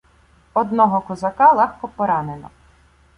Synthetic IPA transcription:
ɔd̪nɔɦɔkɔzɐkɑlˠɛxkɔpɔɾɑnenɔ̰

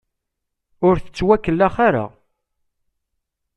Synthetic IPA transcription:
ʊɾθə̥t͡sːwækːəlːaχaɾa̰

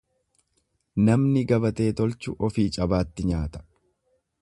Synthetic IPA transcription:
nɐmnɪɡɐbɐt̪e̞ːt̪ɔlt͡ʃʊʔɔfiːt͡ʃʼɐbaːt̪ːɪɲaːt̪ɐ̥

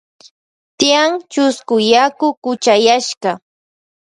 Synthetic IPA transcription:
t̪ɪaŋt͡ʃʊskʊjakʊkʊt͡ʃajaʃɢɑ

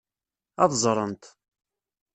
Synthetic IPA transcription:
ɑðˤzˤɾˤənt̪

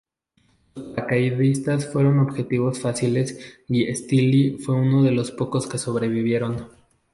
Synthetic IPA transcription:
lospakaiðist̪asfwe̞ɾo̞no̞βxe̞t̪iβ̞o̞sfasile̞siest̪ilifwe̞uno̞ðe̞lo̞spo̞ko̞ske̞so̞βɾe̞β̞iβ̞je̞ɾo̞n

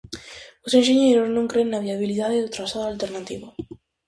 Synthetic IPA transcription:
osenʃeɲejɾoznõŋkɾennaβiaβiliðaðeðot̪ɾasaðoalt̪eɾnat̪iβo

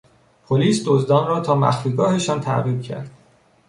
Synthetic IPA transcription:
pʰoliːsd̪ozd̪ɒːnrɒːt̪ʰɒːmæ̰xfiːɡɒːhe̞ʃɒːnt̪ʰæ̰ʔɣiːb̥̚cʰæ̰ɾd̪̥

